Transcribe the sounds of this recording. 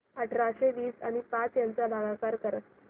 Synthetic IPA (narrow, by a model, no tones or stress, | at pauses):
əʈʰɾaɕeʋiːsa̰ɽ̃ipat͡sjant͡sabʱaɡakaɾkəɾə